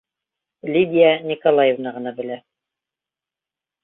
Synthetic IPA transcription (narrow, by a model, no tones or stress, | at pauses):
lʲid̪ʲijanʲikolˠajevnɑʁɤ̆nɑbɘ̆læ